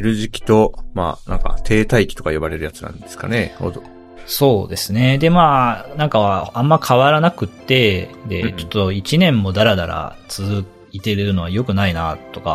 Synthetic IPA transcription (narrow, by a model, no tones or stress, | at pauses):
ɾɯ̟ʑikʲi̥t̪o̞ma̰ːnã̰ŋka̰t̪ʰe̞ːt̪aikʲi̥t̪o̞kajobaɾe̞ɾɯ̟jat͡sɨ̥nã̰nd̪esɨ̥ka̰neho̰d̪o | so̞ːd̪e̞sɨne̞d̪e̞maːnãŋkaβaãmːakʰaβaɾanakɯ̟t̪ːe̞d̪e̞̰t͡ɕo̞̥t̪ːo̞it͡ɕinẽ̞mːo̞d̪aɾad̪aɾa̰t͡sɨzɨ | it̪e̞ɾɯ̟ɯno̞ajo̞kɯ̟nainat̪o̞ka̰